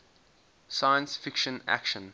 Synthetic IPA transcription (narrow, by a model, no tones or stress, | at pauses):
sajə̃nsfɪkʃə̃næ̰kʃə̃n